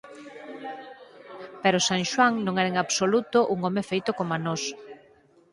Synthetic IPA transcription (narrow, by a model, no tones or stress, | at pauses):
pɛɾosaŋʃwaŋnõŋɛɾɐeŋaβsolut̪oʔuŋɔmefejt̪okomanɔs